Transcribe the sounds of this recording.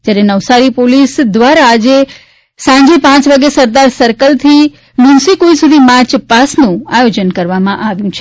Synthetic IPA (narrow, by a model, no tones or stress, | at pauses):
d͡ʒjaɾenəʋsaɾipolisd̪ʋaɾaːd͡ʒe | sãɲd͡ʒepãt͡ʃʋaɡesəɾd̪aɾsəɾkəlt̪ʰi | mũsikoĩsud̪ʱimaɾt͡ʃpasnũajod͡ʒənkəɾʋamãʔaʋjũt͡ʃʰe